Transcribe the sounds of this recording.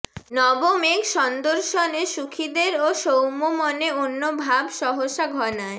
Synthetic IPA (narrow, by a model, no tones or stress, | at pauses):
nɔbomeɡʃɔnd̪oɾʃoneʃukʰid̪eɾoʃowmomɔneonːobʱabʃɔɦoʃaɡʱɔnae